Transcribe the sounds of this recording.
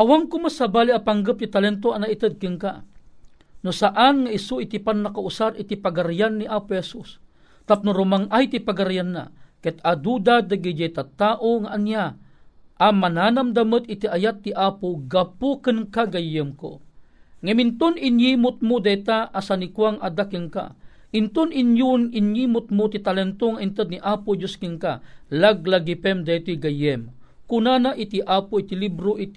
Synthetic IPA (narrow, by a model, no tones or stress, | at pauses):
ʔawaŋkʊmasabaːliʔapaŋɡəp̚t̪it̪alɛnt̪̬oanait̪əd̪̚kɨnka | nosaʔanŋaʔisoit̪ipanːakaʔusaɾit̪ipaɡaɾjanːiʔaːpohɛsus | t̪ap̚nʊɾʊmaŋʔajt̪ipaɡaɾjanːa̰kɛt̪ad̪ud̪ad̪aɡid͡ʒajt̪at̪aːʔoŋaʔanja | ʔamanaːnamd̪amət̪it̪iʔajat̪ːiʔaːpoɡapʊkənkaɡajəmko̰ŋɐmint̪ʊninjimʊt̪̚mʊd̪at̪aʔasanikwaŋad̪akəŋka̰ | ʔint̪ʊninjʊninjimʊt̪̚mʊt̪it̪alɛnt̪oŋaʔint̪əd̪niʔaːpʊd͡ʒoskiŋka̰laɡ̚laɡipɛmd̪at̪oɡajɛm | kunanaʔit̪iʔaːpʊit̪ilibɾoʔit̪